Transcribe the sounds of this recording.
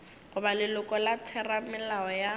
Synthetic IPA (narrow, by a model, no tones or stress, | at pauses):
ɣʊbalɪlʊkʼɔlat͡sʰɛramɪlaɔja